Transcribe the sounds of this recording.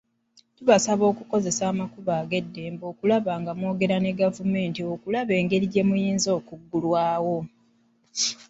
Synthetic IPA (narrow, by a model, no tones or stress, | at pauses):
tuβasaβo̞ːkuko̞ze̞saːmakuβaːɡe̞dːe̞ːmbo̞ːkulaβaːŋɡamo̞ːɡe̞ɾane̞ɡavume̞ːntio̞kulaβe̞ːŋɡe̞ɾiɟe̞mujiːnzo̞ːkuɡːulwaːwo̞